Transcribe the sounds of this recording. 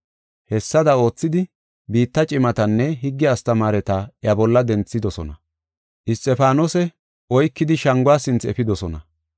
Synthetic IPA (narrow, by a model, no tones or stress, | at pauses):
hɛsːɐd̪ɐo̞ːt͡sːɪd̪ɪ | biːt̪ːɐt͡ʃʼɪmɐt̪ɐnːɛɦɪɡːɛɐst̪ɐmaːɾɛt̪aːjɐbɔlːɐd̪ɛnt͡sːɪd̪ɔsɔ̰nɐ̰ | ʔɪst̪ʼːɛfaːnɔsɛ | ʔɔjkːɪd̪ɪʃɐŋɡwaːsɪnt͡sɛfɪd̪ɔsɔnɐ̰